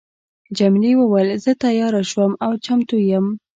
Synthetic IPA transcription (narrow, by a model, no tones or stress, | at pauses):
d͡ʒamliwəwəlzət̪ajɑɾaʃwəmawt͡ʃamt̪ujəm